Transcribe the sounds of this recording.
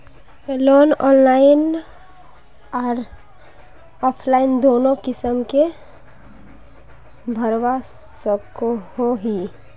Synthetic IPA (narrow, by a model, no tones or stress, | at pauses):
eloːnɔːnlaːɪn | ɔːɾ | ɔːpʰlaːɪnd̪oːnõkɪsəmke | bʱəɾwa | səkohoɦi